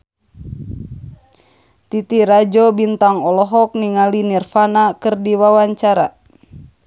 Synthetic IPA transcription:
t̪it̪iɾad͡ʒɔbint̪aŋɔlɔɦɔk̚niŋalinirfanakɨrdiwawaɲt͡ʃaɾa

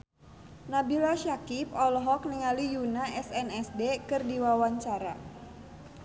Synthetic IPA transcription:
nabilaʃakipɔlɔɦɔk̚niŋalijunaʔɛsɛnɛsdekɨrdiwawaɲt͡ʃaɾa̰

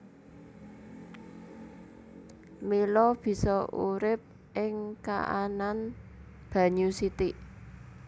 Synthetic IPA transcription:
milɔb̥i̤sɔṵɾɪp̚ | ʔɪŋka̰ʔa̰nan | b̥a̤ɲusit̪iʔ

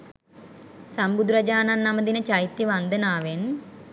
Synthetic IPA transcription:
sambud̪uɾɐd͡ʒaːnanːaməd̪inət͡ʃajt̪jəʋand̪ənaːʋen

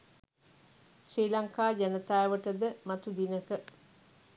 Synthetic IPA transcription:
ʃɾiːlaŋkaːd͡ʒænət̪aːʋəʈəd̪əmat̪ud̪inəkə

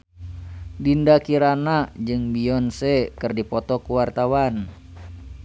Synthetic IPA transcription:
dindakiɾanad͡ʒɨŋbiɔnsɛkɨrdipɔt̪ɔkuwart̪awan

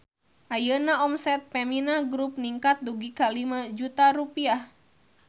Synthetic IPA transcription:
ʔajənaɔmsɛt̪̚pɛminaɡɾup̚niŋkat̪̚duɡikalimad͡ʒut̪aɾupiah

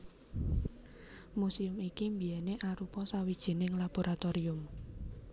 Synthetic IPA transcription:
musiʊmikimbiɛneʔaɾupɔsawid̥ʒ̥i̤nɪŋlab̥o̤ɾʔat̪oɾiʊm

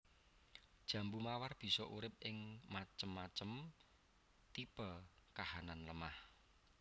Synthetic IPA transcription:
d̥ʒ̥ä̤mbumawarb̥i̤sɔʔuɾɪp̚ʔɪŋmat͡ʃəmːat͡ʃəm | t̪ibəkahananləmah

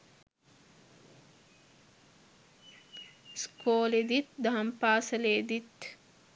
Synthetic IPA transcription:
skʰoːled̪it̪d̪ɐɦɐmpaːsɐleːd̪it̪

